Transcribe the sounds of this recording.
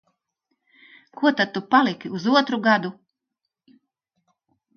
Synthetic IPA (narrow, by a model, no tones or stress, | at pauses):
kuɔt̪ad̪̚t̪ːupalˠikuzuɔt̪ɾuɡad̪u